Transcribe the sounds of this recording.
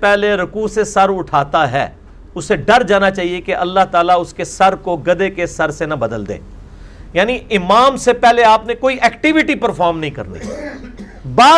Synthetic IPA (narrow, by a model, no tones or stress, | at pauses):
pɛɦleɾʊkuːsesɐɾʊʈʰaːt̪aɦɛ̰ː | ʊseɖɐɾd͡ʒaːnat͡ʃaːɦiekeʔɐlːaɦt̪aːlaʊskesɐɾkoɡɐd̪ekesɐɾsenɐbɐd̪əld̪ḛː | jaːniɪmaːmsepɛɦleaːpnekoːiʔɛːkʈɪʋɪʈipɐɾfaːɾmnɐɦĩkɐ̰ɾnḭ | baː